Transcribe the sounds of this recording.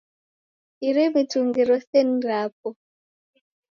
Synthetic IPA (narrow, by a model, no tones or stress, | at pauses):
iɾɛmituŋɡiɾɔsɛn̩ɾap̚ɔ